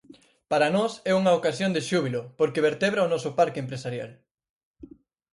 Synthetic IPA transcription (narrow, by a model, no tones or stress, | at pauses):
paɾanɔsɛuŋɐokasjond̪eʃuβilopoɾkeβeɾt̪ɛβɾaonɔsʊpaɾkempɾesaɾja̰l